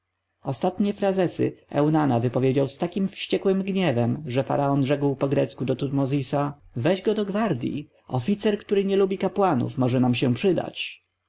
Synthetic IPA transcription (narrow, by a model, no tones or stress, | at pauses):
ɔst̪at̪ɲɛfɾazɛsɘ̰ɛ̰wnanavɘpɔvʲjed͡ʑawst̪akʲimfɕt͡ɕɛkwɘmɡɲɛvɛmʐɛfa̰ɾaɔnʐɛɡwpɔɡɾɛt̪skud̪ɔt̪ut̪mɔzʲisavɛʑɡɔd̪ɔɡvaɾd̪ʲjḭ | ɔfʲit̪sɛɾkt̪uɾɘɲɛlubʲikapwanṵfmɔʐɛnamɕɛpʂɘd̪a̰t͡ɕ